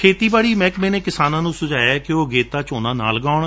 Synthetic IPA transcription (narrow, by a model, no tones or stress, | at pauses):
kʰeːt̪iːbaːɽiːmɛ̃ːkmɛ̃ːneːkɪsaːnãːnũːsʊd͡ʒaːjakɪoːɡeːt̪aːt͡ʃoːnãːna̰ːlɡaːʊɳ